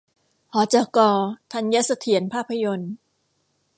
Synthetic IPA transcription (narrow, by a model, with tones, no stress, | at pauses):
hɔː˨˩˦t͡ɕaː˧˩kɔː˧t̪ʰa˧nja˦˥sa˧t̪ʰi˩˦ə˦npʰaː˥˩pʰːa˧jo˧n